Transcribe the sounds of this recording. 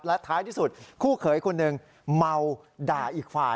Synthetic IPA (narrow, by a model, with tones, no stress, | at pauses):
p̚lɛ˦˥t̪ʰaː˦˥jt̪ʰiː˥˩su˨˩t̪̚kʰuː˥˩kʰɤː˨˩˦jkʰo˧nːɯ˨˩ŋ | ma˧w | daː˨˩ʔiː˨˩k̚faː˨˩